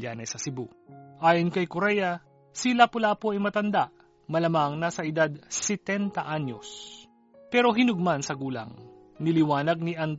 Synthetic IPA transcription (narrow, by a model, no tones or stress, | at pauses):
aːnɛsɐsɪbu | ʔaːjonkɐjkoɾɛjɐ | silapʊlaːpoɐjmɐt̪ɐnd̪aʔ | mɐlɐmaŋnɐsɐʔɪd̪ad̪̚sɛt̪ɛnt̪ɐʔaɲo̰s | pɛːɾo̞ɦɪnʊɡ̚mansɐɡuːlɐ̰ŋ | nɪlɪwaːnɐɡ̚niʔɐn